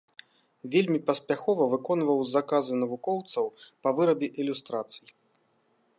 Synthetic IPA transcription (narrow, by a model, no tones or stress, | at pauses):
vʲelʲmʲipɐspʲaxɔvɐvɨkɔnvɐwzakazɨnɐvukɔwt̪sɐwpɐvɨɾɐbʲɛʔilʲust̪ɾat̪sɨji